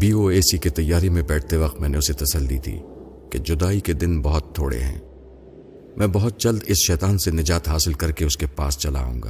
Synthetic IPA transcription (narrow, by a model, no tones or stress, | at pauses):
biːoeːsiket̪ɐjːaːɾimẽbɛːʈ̚ʰt̪eʋɐq̚t̪mɛ̃ːneʊset̪ɐsɐlːḭt̪ʰḭː | kḛd͡ʒʊd̪aːiked̪ɪnbɐɦʊt̪ʰːoːɽḛɦɛ̰̃ː | mʔɛ̃ːbɐɦʊt̪̚t͡ʃɐld̪ɪsʃɛːt̪aːnsenɪd͡ʒaːt̪ɦaːsɪlkɐɾkeʊskepa̰ːst͡ʃɐla̰ːṵ̃ːŋɡa̰ː